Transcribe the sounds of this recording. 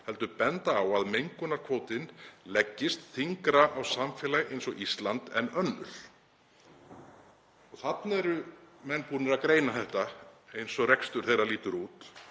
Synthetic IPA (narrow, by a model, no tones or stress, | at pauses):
hɛlt̪ʏpɛnt̪aːwaðmejŋkʏnaɾ̥kʰvoːwt̪ɪnlɛcːɪst̪θiŋkɾaʔawsamfɛːlaɣejnsɔɣist̪lant̪ɛnœnːʏ̰ɾ̥ | ɔɣθat̪nɛɾʏmɛnːpuːnɪɾakɾeːjnaθɛht̪aejnsɔrekst̪ʏɾ̥θejraliːt̪ʏɾuːt̪